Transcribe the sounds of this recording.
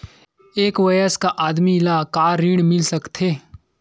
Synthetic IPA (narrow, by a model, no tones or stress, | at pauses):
eːkʋɐjəskaʔaːd̪milakaːɾɾiːɽmɪlsɐkt̪ʰeː